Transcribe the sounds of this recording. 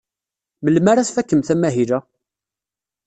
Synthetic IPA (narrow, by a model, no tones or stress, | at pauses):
məlmaɾaθfækːəmθæmæɦilæ